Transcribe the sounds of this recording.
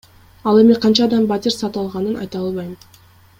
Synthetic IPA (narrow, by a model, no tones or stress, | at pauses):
ɑlˠe̞miqʰɑnt͡ʃɑːd̪ɑmbɑt̪ʲiɾsɑt̪ɯɑlˠʁɑnɯnʔɑ̰jt̪ɑlˠβɑjm